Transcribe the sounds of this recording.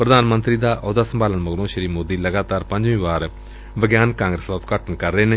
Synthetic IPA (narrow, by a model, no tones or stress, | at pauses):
pɾəd̪aːnmə̃nt̪ɾiːd̪aːʔɔːd̪aːsəmbaːlənməɡlõːʃəɾiːmoːd̪iːləɡaːt̪aːɾpə̃ɲd͡ʒʋĩːʋaːɾ | ʋəɡjaːnkãːŋɡɾəsd̪aːʊt̪kəʈʰəɳkəɾːeːneː